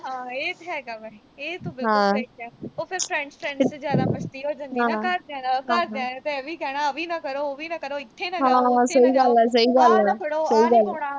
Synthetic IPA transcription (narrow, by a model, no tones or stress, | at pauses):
ɦãːeːt̪ːɛɡaːbai | eːt̪õbɪlɦãːɛoːpʰɪɾpʰɾɛ̃ɳt͡ʃʈɾɛ̃ːɳʈsezjaːd̪aːpət͡ʃt̪iːɦoːd͡ʒãniãaɾd̪ãːnaɦkãːɾdɦeaːet̪eʋiːkɛːɽ̃aːəʋiːnaːkəɾoːoːʋiːnaːkəɾoːɪt̪ʰːenãɦãːãsəiːɡəlɛːs̬əiːɡəlɛːɽsəiːɡəlː